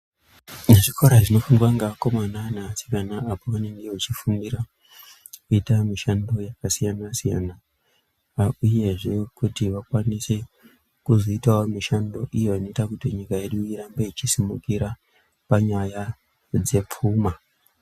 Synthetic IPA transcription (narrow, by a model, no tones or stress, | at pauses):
neʐikoɾaʐino̞fuŋɡwaŋɡaako̞mananasi̥kanaapoʋaneŋɡeat͡ʃifundiɾa | kuitamiʃando̞jakasijanasijana | uje̞ʐe̞kutiʋakwanise̞ | kuzoitaomiʃando̞ʔijoano̞itakutiɲikaje̞ɗuiɾambeit͡ʃisimukiɾa | paɲaja | d͡ze̞p͡fuːma